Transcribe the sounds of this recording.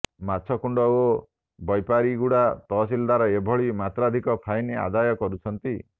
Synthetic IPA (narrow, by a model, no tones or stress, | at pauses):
mat͡ʃʰɔkuɳɖɔo | bɔjpaɾiɡuɽat̪ɔsild̪aɾɔebʱɔɭimat̪ɾad̪ʱikɔpʰajnea̰d̪ajɔkɔɾut͡ʃʰɔnt̪i